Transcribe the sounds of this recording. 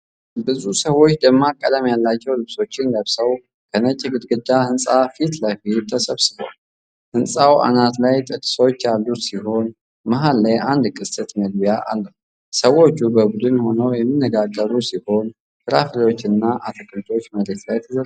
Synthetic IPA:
bɨzusəwo̞t͡ʃːd̪əmːakʼːəd̪əmjalːat͡ʃːɛwlɨβso̞t͡ʃːɪndəβsəw | kʰənət͡ʃʼːɪɡɨd̪ɡɨd̪ːahɨnsʼafit̪lajfit̪ʰːəsəβsɨboa̰l | hɨnsʼawʔa̰nat̪lajt̪ʼɨt̪ʼɨ̥sot͡ʃːalːusiho̞n | maɦalːajʔand̪kʼɨsʼɨt̪məɡ̚bijaʔa̰lːəhw | səwo̞t͡ʃːubəbud̪ɨnho̞nəwjɛmːinːəɡaɡːəɾusiho̞n | kʰɨɾafɾiwo̞t͡ʃːɨnːaʔat̪ʰəkʰʼɨlt̪ʰo̞t͡ʃːməɾe̞t̪lajt̪ʰəzər

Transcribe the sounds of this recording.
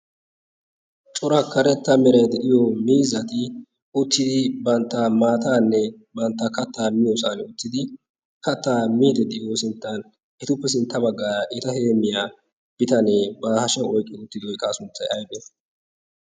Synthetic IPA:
t͡ʃʼɔɾɐkːɐɾɛt̪ːɐmɛɾɐjd̪ɛʔɪjɔmiːzɐt̪ɪ | ʊt̪ːɪd̪ɪbɐnt̪ːɐmaːt̪aːnːɛ | bɐnt̪ːɐkɐt̪ːaːmɪjosaːnʊt̪ːɪd̪ɪ | kɐt̪ːaːmiːd̪ɛd̪ɛʔɪjosɪnt̪ːɐn | ʔɛt̪ʊpːɛs̬ɪnt̪ːɐbɐɡːaːɾɐʔɪt̪ɐheːmːɪjaː | b̥ɪt̪ɐnɛbɐːhɐʃɐwɔjkʼːɪʊt̪ːɪd̪ɪɔjkʼːaːsʊnt͡sːɐjʔɐjbɛ

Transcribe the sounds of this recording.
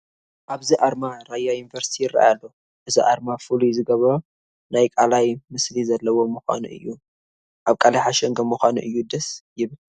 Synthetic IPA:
ʔaβziʔaɾmaɾajajunivɐɾsi̥t̪ʰijɪrːa̰ʔjalːo | ʔɨziʔaɾmafɨluzɨɡɐβɐɾo | najkʼalajmɨslizɐlːɐwo̞muxʷa̰nṵʔɨ̰jːu | ʔaβkʼalajħaʃɛŋɡɐmɨxʷanṵʔɨjːud̪ɐsjɪβɨl

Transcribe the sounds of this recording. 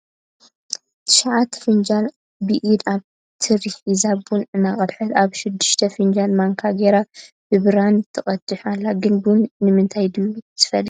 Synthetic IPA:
t̪ʰɨ̥ʃaʕat̪fɨnd͡ʒal | bɨʔid̪aβ | t̪ʰɨɾiħizabunɨnaχʼɐdħɨt̪aβʃɪd̪ːɨʃt̪ʰɐfɨnd͡ʒalmaŋkʰaɡeɾab̥ɨβɨɾant̪ʰɨχʼɐt̪ʰːɨħalːaɡɨnbunnɨmɨnt̪ʰajd̪ɨjut̪ʰɨ̥fɐlːi

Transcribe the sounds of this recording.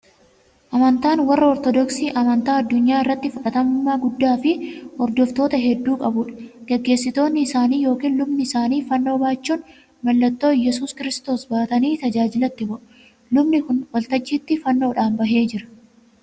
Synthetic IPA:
ʔɐmɐnt̪aːnwɐrːɐɔɾt̪ɔd̪ɔksiːʔɐmɐnt̪aːɐd̪ːʊɲːaːɪrːɐt̪ːɪfʊkʼɐt̪ɐmʊmːaːɡʊd̪ːaːfɪʔɔɾd̪ɔft̪o̞ːt̪ɐɦɛd̪ːuːkʼɐbʊᶑɐ̥ɡ̥ɛɡːe̞ːsːɪt̪o̞ːnːɪːsaːniːjo̞ːkiːnlʊbnɪsaːniːfɐnːo̞ːbaːt͡ʃːuːn | mɐlːɐt̪ːo̞ːjɛsuːskɪɾɪst̪o̞ːsbaːt̪ɐniːt̪ɐd͡ʒaːd͡ʒɪlɐt̪ːɪbʊʔ | lʊbnɪkʊnwɐlt̪ɐd͡ʒːiːt̪ːɪfɐnːo̞ːᶑaːmbɐɦe̞ːd͡ʒɪɾɐ̥

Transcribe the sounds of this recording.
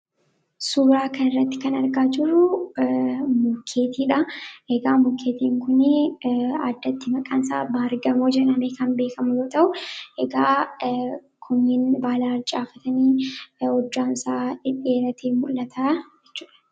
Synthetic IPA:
suːɾaːkɐnɪrːɐt̪ːɪ̥kɐnɐɾɡaːd͡ʒɪrːʊ | mʊkʰːe̞ːt̪iːᶑɐʔɛɡaːmʊkʰːeːt̪iːŋkʊnɪa̰d̪ːɐt̪ːɪmɐkʼaːnsa̰ːbaːɾɡɐmoːd͡ʒɛᶑɐmeːkɐnbe̞ːkɐmʊjoːt̪ɐʔʊʔɛɡaː | kʰʊnːɪnbaːlaːɾt͡ʃʼaːfɐt̪ɐniːɔd͡ʒːaːnsaːɪᶑːeːɾɐt̪ʰeːmʊlːɐt̪ʰaːd͡ʒɛt͡ʃːuːᶑɐ̥

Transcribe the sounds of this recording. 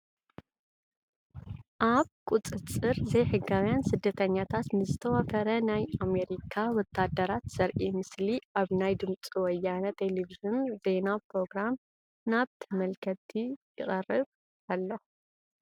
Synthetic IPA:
ʔaβkʼut͡sʼɨt͡sʼɨɾzɐjħɨɡawjansɨd̪ːɐt̪ʰɐɲːat̪ʰat̪nɨzɨt̪ʰɐwafɐɾɐnajame̞ɾikʰawɔt̪ʰːad̪ːɐɾat̪z̥ɐɾʔimɨsliʔaβnajd̪ɨmt͡sʼiwɔjːanɐt̪ʰːeleviʒɨnd̪e̞napɾo̞ɡɾam | naβt̪ʰɐmɐlkʰɐt̪ʰijɪɣʼɐrːɨβ | alːo

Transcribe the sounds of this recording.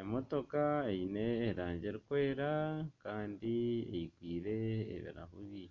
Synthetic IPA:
emo̞to̞kaeineːɾaːɲɟeɾikwe̞ːɾakaːndiḛjikwiːɾe̞̰ːβḭɾa̰huβi

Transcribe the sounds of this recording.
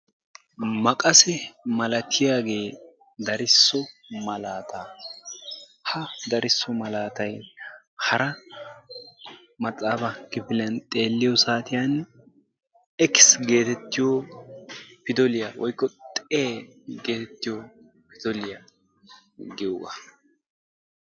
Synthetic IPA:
mɐkʼɐsɛmɐlɐt̪ʰɪjaːɡe̞ː | d̪ɐɾɪsːɔmɐlaːt̪ʰa | hɐd̪ɐɾɪsːɔmɐlaːt̪ɐj | hɐɾɐ | mɐt̪ʼːaːbɐkːɪpɪlɐnt̪ʼe̞ːlːɪjɔsaːt̪ɪjan | ɛkːɪ̥sɡe̞ːt̪ɛt̪ːɪjo | pɪd̪ɔlɪjawɔjkːɔt̪ʼe | ɡe̞ːt̪ɛt̪ːɪjo | pɪd̪ɔlɪja | ɡɪwɐ̰

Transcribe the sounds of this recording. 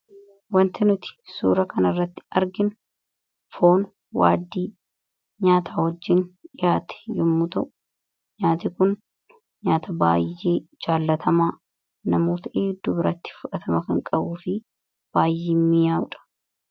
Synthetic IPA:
wɐnt̪ʰɛnʊt̪ɪ̥sṵːɾɐkɐnɐrːɐt̪ːɪ̥ɐɾɡɪn | fo̞ːn | wa̰ːd̪ːiː | ɲaːt̪ʰaːhɔd͡ʒːɪnɪjaːt̪ɛ̥jɔmːʊt̪ɐʔʊ̥ | ɲaːt̪ɪkʊn | ɲaːt̪ʰɐba̰ːjːeːd͡ʒaːlːɐt̪ʰɐmaː | nɐmoːt̪ɐʔeːd̪ʊbɪɾɐt̪ːɪ̥fʊᶑɐt̪ʰɐmɐkɐŋkʼɐbuːfɪ | b̥aːjːeːnmɪjaːʊᶑɐ̥

